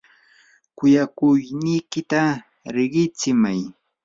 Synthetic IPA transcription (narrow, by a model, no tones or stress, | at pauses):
kʊjakʊjnijkɪt̪a | ɾɪɢɪt͡sɪmaj